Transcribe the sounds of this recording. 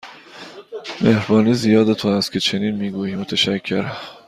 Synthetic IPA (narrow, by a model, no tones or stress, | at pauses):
mehɾbɒːniːzijɒːd̪et̪ʰonæst̪̚kʰʲcʰe̞t͡ʃʰe̞niːnmiːɡuːjiːmot̪ʰeʃæcʰːe̞ɾæ